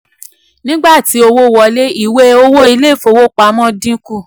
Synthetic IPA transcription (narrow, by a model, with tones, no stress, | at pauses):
nĩ˦ɡ͡ba˦˨ti˨˦o˧wo˦wɔ˧le˦i˦˨we˦o˧wo˦i˧˦le˦˨fo˧˨wo˦k͡pa˨˦mɔ̃˦dĩ˦ku˦˨